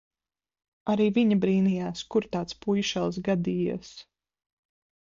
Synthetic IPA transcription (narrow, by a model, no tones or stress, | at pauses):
aɾiːviɲabɾiːnijaːskuɾt̪aːt̪spujʃɛlˠs̬ɡad̪iːja̰s